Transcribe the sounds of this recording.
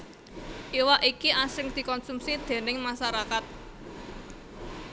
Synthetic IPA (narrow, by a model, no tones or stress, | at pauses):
ʔiwaʔikiʔasɪŋd̪̥i̤kɔnsumsid̪̥e̤nɪŋmaʃaɾakat̪̚